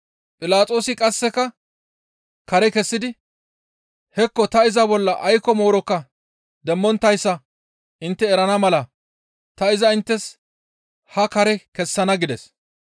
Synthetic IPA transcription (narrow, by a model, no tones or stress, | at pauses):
pʼɪlaːt͡sʼo̞ːsɪkʼɐsːɛkɐ | kɐɾɛkɛsːɪd̪ɪ | hɛkːɔt̪ɐɪzɐbɔlːɐʔɐjkːɔmo̞ːɾɔkːɐ | d̪ɛmːɔnt̪ːɐjsːɐ | ʔɪnt̪ːɛːɾɐnɐmɐlɐ | t̪ɐɪzɐɪnt̪ːɛs | hɐkɐɾɛkɛsːɐnɐɡɪd̪ɛs